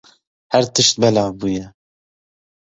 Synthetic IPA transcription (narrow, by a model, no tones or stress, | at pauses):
hæɾt̪ɨʃt̪̚bɛlɑːbuːjɛ